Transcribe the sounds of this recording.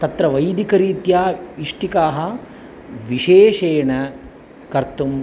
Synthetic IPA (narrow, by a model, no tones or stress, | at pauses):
t̪ɐt̪ɾɐʋɐjd̪ikɐɾiːt̪jaːiʂʈikaːɦɐ̆ | ʋiʃeːʃeːɳɐ | kɐɾt̪um